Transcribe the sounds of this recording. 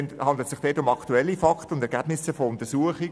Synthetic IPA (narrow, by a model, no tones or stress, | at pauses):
nhɑndlətsɪχd̥ɛːtʊmɑktuɛlːifɑktəʊndɛɾɡæbnɪsəfoʊnt̪əsuəχɪ